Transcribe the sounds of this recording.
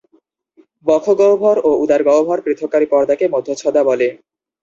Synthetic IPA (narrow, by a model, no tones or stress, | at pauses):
bɔkʰoɡɔobʱɔɾoud̪aɾɡɔobʱɔɾpɾit̪ʰːokːaɾipɔɾd̪akemod̪ʱːot͡ɕʰɔd̪abɔle